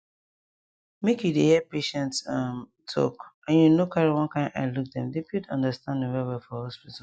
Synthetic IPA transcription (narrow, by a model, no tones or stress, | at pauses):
mekjudehɛpeʃɛ̃ntsʌmtʰɔ̰kãnjunokʰaɹiwɔ̃nkãɪ̃a̰ɪluk̚dɛ̃mdepjudʌ̰̃ndəstãndɛ̃wɛwɛlfɔhɔspit